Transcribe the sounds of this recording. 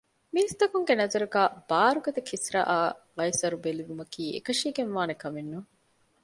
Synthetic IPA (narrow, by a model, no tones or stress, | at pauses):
miist̪ɐkuŋɡenɐzɐɾuɡæːb̥aːɾuɡɐt̪ɐkʰisɾɐ̰ʔaːʁɐjsɐɾubeliʋumɐkiːḛkɐʃiːɡenʋaːnekɐmenːuŋ